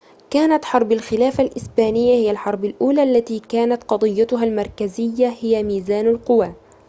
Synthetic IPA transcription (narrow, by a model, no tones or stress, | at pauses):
kaːnat̪ħɑɾˤbalxɪlaːfalʔɪsbaːnɪjːahɪjːalħɑɾˤbalʔuːlaːʔlːat̪iːkaːnat̪qɑd̪ˤɨjːat̪ʊɦalmɑɾˤkazɪjːahɪjamiːzaːnalqʊwaː